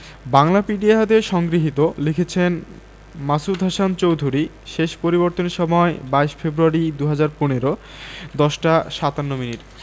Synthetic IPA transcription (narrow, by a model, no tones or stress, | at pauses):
baŋlapiɖiaad̪eʃɔŋɡɾiɦit̪olikʰet͡ɕʰen | masud̪ʱaʃant͡ɕowd̪ʱuɾi | ʃeʃpoɾiboɾt̪oneʃɔmɔebaeʃfebɾuaɾid̪uɦad͡ʑaɾponeɾo | d̪ɔʃʈaʃat̪anːominiʈ